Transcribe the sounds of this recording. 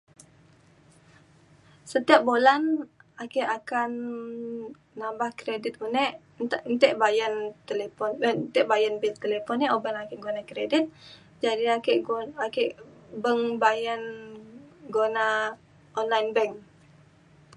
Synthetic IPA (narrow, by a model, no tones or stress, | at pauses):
sət̪iap̚bolanakɛʔakan | ambahkɾedit̪̚unɛʔ | nʔnt̪ɛʔbajant̪elepɔnnt̪ɛʔbajanbilt̪əlepɔniobanakənɡonakɾedit̪̚ | d͡ʒadiakeʔakɛʔbəŋbajan | ɡona | ɔnlajnbɛŋ